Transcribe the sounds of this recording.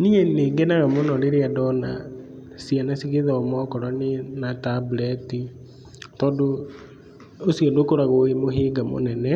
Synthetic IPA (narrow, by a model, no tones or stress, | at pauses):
niɛneɡɛnaɣamonɔɾeɾeadɔna̰ | sianasiɣeðaːmɔkɔɾanenatablɛti | tɔːdo | osiɣendokoɾaɣoemoɦeɡamo̰nɛnɛ